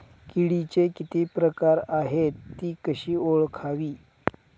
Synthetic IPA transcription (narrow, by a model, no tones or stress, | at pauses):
kiɽit͡ɕekit̪iːpɾəkaɾaɦet̪ːiːkəɕiːoɭkʰaʋiː